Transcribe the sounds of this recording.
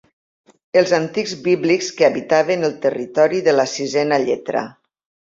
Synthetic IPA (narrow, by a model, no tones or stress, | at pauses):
əlˠzant̪ikzbiβlikskeaβit̪aβenəlˠt̪ərit̪ɔɾiðəlasizɛnaʎɛt̪ɾa̰